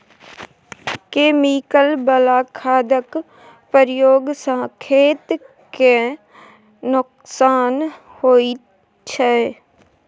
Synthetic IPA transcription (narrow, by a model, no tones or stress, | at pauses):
keːmikəlbəlaːkʰaːd̪ək | pəɾjoːɡsə̃ːkʰeːt̪ | ke | nʊk | saːn | hoːi | t͡ʃʰɛ